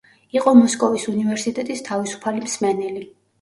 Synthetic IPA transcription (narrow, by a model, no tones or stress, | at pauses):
iqʼɔmɔskʼɔvisunivɛɾsit̪ʼɛt̪ʼist̪ʰavisu̥pʰalimsmɛnɛli